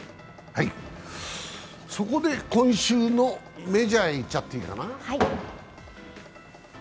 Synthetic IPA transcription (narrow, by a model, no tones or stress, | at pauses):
hai | so̞ko̞d̪e̞kõ̞ɰ̃ɕɨːno̞me̞d͡ʑaeit͡ɕːat̪ːeika̰nahai